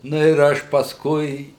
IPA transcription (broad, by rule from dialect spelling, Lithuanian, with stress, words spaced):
ˈnʊ ɪr ˈɐʃ pɐsˈkʊɪ